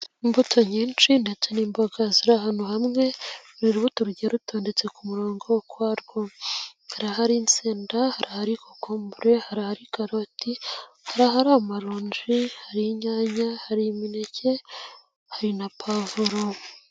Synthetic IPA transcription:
imbutʰo̞ɲiːnt͡ʃindet͡soniːmbo̞ɡaziɾahanuhamŋe̞ɾiɾuβutuɾɟiɾuto̞ːnde̞t͡se̞kumuɾo̞ːŋɡo̞wokwaːɾɡohaɾaɦaɾint͡seːndahaɾʔahaɾikʰokoːmbuɾe̞haɾahaɾikaɾoti | haɾaɦaɾaomaɾoːɲd͡ʒihaɾiɲaːɲahaɾiminece̞ | haɾinapʰavuɾo

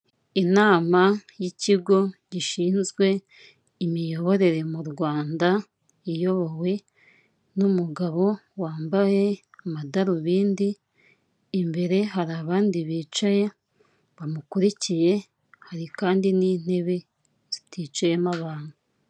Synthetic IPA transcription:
inaːmajiciɡo̞ɟiʃiːnzɡwe̞ | imijo̞βo̞ɾe̞ɾe̞muɾɡwaːnda | ijo̞βowe̞ | numuɡaβo̞waːmbaje̞ | amadaɾuβiːndiː | mbe̞ɾe̞ɦaɾaβaːndiβiːt͡ʃaje̞ | βamukuɾicije̞ | haɾikaːndiniːn̥e̞βe̞ | z̥itʰiːt͡ʃaje̞maβaːn̥u

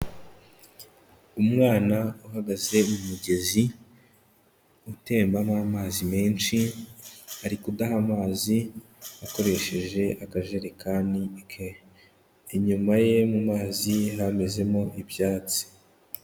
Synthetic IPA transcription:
umŋaːnauhaɡaze̞mumuɟe̞zi | ute̞ːmbamamaːzime̞ːnʃi | aɾikudaɦamaːzi | ako̞ɾe̞ʃe̞ʒe̞ʔakaʒe̞ɾekʰaːnikʰeː | ɲumaje̞mumaːziɦame̞ze̞mo̞ʔibjaːt͡si̥

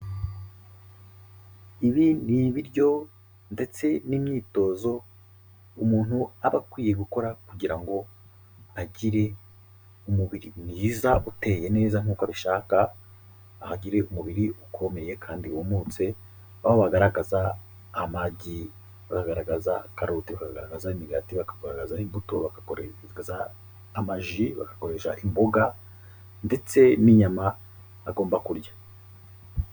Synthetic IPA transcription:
iβiniβiɾɟo̞ | nde̞t͡se̞nimɲiːto̞ːzo̞ | umuːn̥huaβakwiːje̞ɡuko̞ɾakuɟiɾaŋɡo̞ | aɟiɾe̞ | umuβiɾiniːzaβute̞ːje̞ne̞ːzaŋ̥uːkaβiʃaːkaː | haɟiɾe̞umuβiɾiukʰo̞me̞je̞kʰaːndiβumuːt͡se̞ | aβoβaɡaɾaɡazaː | maɟi | βakaɡaɾaɡazakaɾutiβakaɡɡaɾaɡazaimiɡatiβakaɡaɾaɡazaimbuto̞βaka | azaː | maʒiβa̰kḁko̞ɾe̞ʃa̰ʔimboɡa | nde̞t͡se̞niɲamaː | ɡoːmbakuɾɟḁ

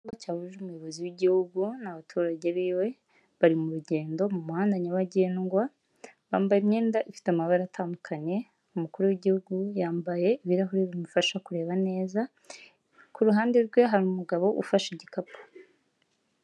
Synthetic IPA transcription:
ŋɡacaːβuʒeumujo̞βo̞ziwiɟihuɡunaβatʰuːɾaɟeβiːwe̞ | βaɾimuɾuɟe̞ːndo̞mumuhaːndaɲawaɟeːnɡwa | βaːmbajimɲeːndaʔifi̥tamaβaɾatʰaːmukʰaɲe̞ | umukuɾuwiɟihuɡujaːmbaje̞iβiɾaɦuɾeβimufaʃakuɾe̞ːβane̞ːza | kuɾuɦaːndeɾɡwe̞ɦaɾumuɡaβo̞ʔufaʃiɟikapʰḁ

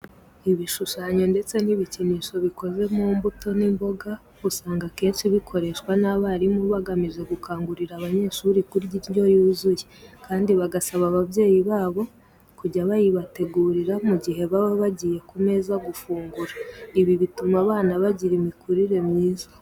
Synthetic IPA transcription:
iβiʃuʃaɲo̞nde̞t͡se̞niβiciniːʃo̞βiko̞ze̞mumbuto̞nimbo̞ɡa | usaːŋɡake̞ːnʃiβikʰo̞ɾe̞ʃkwanaβaɾimuβaɡamiʒe̞ɡukʰaːŋɡuɾiɾaβaɲe̞ːʃuɾikuɾɟijo̞juːzujekaːndiβaɡasaβaβaβje̞ːjiβaːβo̞ | kuɟaβajiβate̞ɡuːɾiɾamuɟiɦe̞βaβaβaɟije̞kume̞zaɡufuːŋɡuɾaiβiβitumaβaːnaβaɟiɾimikʰuɾiɾe̞mɲiːzḁ

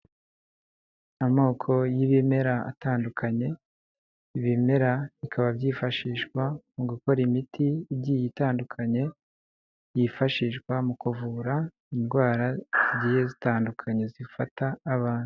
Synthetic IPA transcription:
amoːkʰo̞jiβime̞ɾaa̰taːndukʰaɲe̞ | iβime̞ɾaβikʰaβabɟiːfaʃiːʃɡwamuɡuko̞ɾimitʰiːbɟiːjitaːndukʰaɲe̞ | jifaʃiːʃɡwamukuvuɾa | inɡwaːɾaijezitaːndukʰaɲe̞zifataːβaːnu̥

